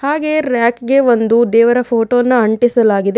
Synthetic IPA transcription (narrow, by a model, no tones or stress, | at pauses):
haːɡe̞ɾaːkɡe̞ʋond̪ud̪ɛːʋɐɾɐpʰoːʈoːnːɐɐɳʈisɐlaːɡid̪e